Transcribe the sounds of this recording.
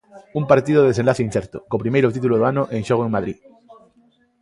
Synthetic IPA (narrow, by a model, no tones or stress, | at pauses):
umpaɾt̪iðoðeðesenlaθeinθeɾt̪okop̬ɾimejɾot̪̬it̪̬uloðoanoʔẽŋʃoɣ̞oeŋmaðɾḭ